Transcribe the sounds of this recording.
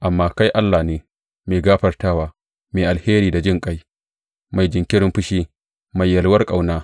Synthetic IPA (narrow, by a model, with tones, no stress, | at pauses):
ʔa˨mːaː˦ka˦jʔa˦lːaː˨neː˨ | meː˨ɡaː˦ɸɐ˨rtaː˦waː˨ | meː˨ʔa˨lheː˦ɾiː˨da˨d͡ʒɪ˦ŋkʼa˦j | ma˨jd͡ʒɪ˨ŋkʲɪ˦ɽɪ˦mɸʊ˦ʃiː˦ | ma˨jːɐ˨lwɐ˦rkʼa˨wnaː˦